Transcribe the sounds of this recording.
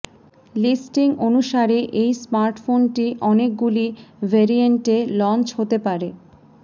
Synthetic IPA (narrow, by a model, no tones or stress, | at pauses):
lisʈiŋonuʃaɾeʔejsmaɾʈfonʈiʔɔnek̚ɡulivʱeɾieɳʈelɔnt͡ɕɦot̪epaɾe